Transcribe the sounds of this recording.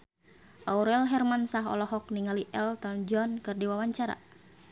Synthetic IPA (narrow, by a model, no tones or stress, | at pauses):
ʔauɾɛlɦɛrmansaɦɔ̰lɔhɔk̚niŋaliʔɛlt̪ɔnd͡ʒɔnkɨrdiwawaɲt͡ʃaɾa̰